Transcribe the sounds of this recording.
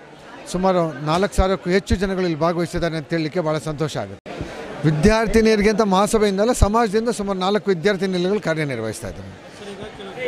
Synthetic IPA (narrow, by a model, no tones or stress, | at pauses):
sumaːɾunaːlɐkːsaːɾʋɐkːuɦet͡ʃːud͡ʒɐnɐɡɐɭɐlːibʱaːɡɐʋɐjisid̪aːɾend̪t̪iːɭilikːe̞bʱaːɭɐsɐnt̪ɔːʃɐa̰ːɡut̪ːeʋid̪jaːɾt̪ineɾiɡɐnt̪ɐmɐɦaːsɐbɐjind̪ɐlːɐsɐmaːd͡ʒɐd̪ind̪ɐsumaːɾunaːlɐkːuʋid̪jaːɾt̪ʰinilɐɡɐɭukaːɾjɐniɾɐʋɐ̰ɦist̪a̰ːjd̪ɐɾu